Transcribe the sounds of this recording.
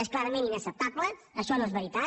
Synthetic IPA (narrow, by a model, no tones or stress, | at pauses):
esklˠaɾəmẽninəsəp̚t̪ablə | əʃɔnoezβəɾit̪a